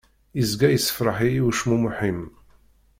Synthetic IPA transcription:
izɡæjəsːə̥fɾˤəħiuʃmumuħim

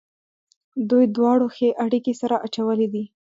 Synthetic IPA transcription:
d̪ujd̪wɑɽoxeʔaɽikesaɾaʔat͡ʃawəled̪i

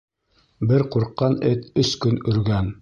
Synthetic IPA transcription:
bɘɾquɾqːɑnɘt̪ɵskɵnɵ̆ɾɡæn

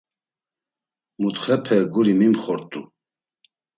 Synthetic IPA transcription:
mut̪χɛpʰɛɡuɾimimχɔɾt̪ʼu

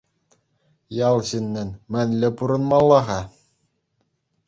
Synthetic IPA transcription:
jɑlˠɕɘnʲːɘ̆nmɘ̆nʲlʲɘ̆puɾɤ̆nmɑlˠːɑʁɑ

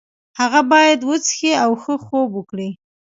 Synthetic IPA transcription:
haɣabɑjad̪wət͡sxiawxəxobəkɽi

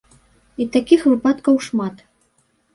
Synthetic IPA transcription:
it̪akʲixvɨpat̪kɐwʂmat̪

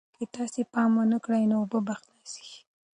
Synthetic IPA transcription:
ket̪ɑsepɑmwənəkɽajnoːbəbaxt̪nasi̥

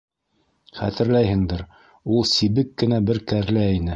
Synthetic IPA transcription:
χæ̰t̪ɘ̆ɾlæjɦɘ̆ŋd̪ɘɾ | ulˠsiβɘkːɘ̆næbɘɾkæɾlæinɘ

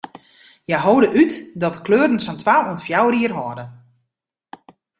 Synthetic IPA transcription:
jɛjɦowdəʔytdɔtkløːɾn̩sɔntwaːuəntfjawriərɦɔːdə

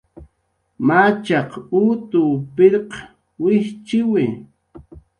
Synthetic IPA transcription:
mat͡ʃɑqut̪ʊpɪɾq | wɪht͡ʃɪwɪ

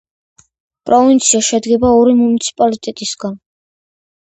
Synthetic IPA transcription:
pʼɾɔvint̪sʰiaʃɛd̪ɡɛbaɔɾimunit̪sʰi̥pʼalit̪ʼɛt̪ʼisɡan

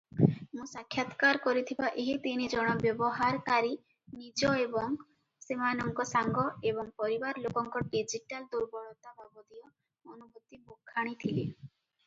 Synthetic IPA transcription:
mũsakʰːjat̪kaɾkɔɾit̪ʰibaʔeɦit̪inid͡ʒɔɽ̃ɔbjɔbɔɦaɾkaɾi | nid͡ʒɔebɔŋ | semanɔŋɡɔsaŋɡɔebɔŋpɔɾibaɾlokɔŋkɔɖid͡ʒiʈald̪uɾbɔɭɔt̪abʱabɔd̪ijɔ | onubut̪ːibokʰːaɽ̃it̪ʰile

